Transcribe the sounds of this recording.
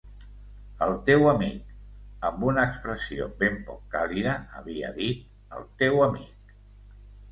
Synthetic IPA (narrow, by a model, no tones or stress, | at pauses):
əlˠt̪ewəmik̚əmbunəːkspɾəsio̰bempɔ̰kːaliðəəβiə̰ðit̪̚ | ə̰lˠt̪ewəmik